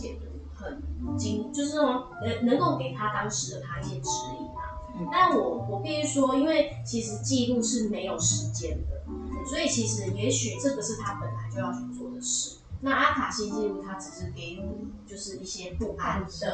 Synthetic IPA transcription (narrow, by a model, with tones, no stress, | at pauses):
ɛ̰˨˩nə˨˦ | xə˨˩nt͡ɕi˥ŋt͡ɕjo˥˧ʊʂ̬ɻ̩˥˩a˨˧ | ə˨˦nə˨˧˥ŋko˥˩ʊke˨˩ɪt̪ʰa˦t̪ɑ˥ŋʂɻ̩˧˦d̪ə˨t̪ʰa˥i˥˩ɕjɛ˧˥ʈ͡ʂɻ̩˧˥lḭ˨˩na̰˨˦ | na˥˨nwɔ˨˩wɔ˨˩pi˥˧y˥˩ʂwɔ˥i˥nwe˥˩ɪ | t͡ɕʰi˧˥ʂɻ̩˧˥˦t͡ɕi˥˧lu˥˧ʂɻ̩˥˩me˧˥ɪjo˨˩ʊʂɻ̩˧˦t͡ɕjɛ˦˥nd̪ə˨ | swɔ˧˥i˨˩t͡ɕʰi˧˥ʂɻ̩˧˥jɛ˧˥ɕy˨˩ʈ͡ʂɤ˥˩ɡə˨˩ʂɻ̩˥˩t̪ʰa˦˥pə˨˩nla˨˧˥ɪt͡ɕjo˥˧ʊjɑ˥˩y˨˩t͡sʰwɔ˥˩d̪ə˩ʂɻ̩˥˩na˥˧a˥kʰa˨˩ɕi˥˧t͡ɕi˥˧lu˥˩t̪ʰa˦ʈ͡ʂɻ̩˨˩ʂɻ̩˧˥ke˧˥˩ɪu˥˩t͡ɕjo˥˧ʊʂɻ̩˥˧i˥˩ɕjɛ˦˥pu˥˩ʔa˦nd̪ə˨